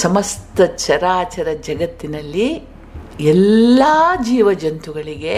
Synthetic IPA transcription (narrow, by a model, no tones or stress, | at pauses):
sɐmɐst̪ɐt͡ʃɐɾaːt͡ʃɐɾɐd͡ʒɐɡɐt̪ːinɐlːi | ɛlːaːd͡ʒiːʋɐd͡ʒɐnt̪uɡɐɭiɡe̞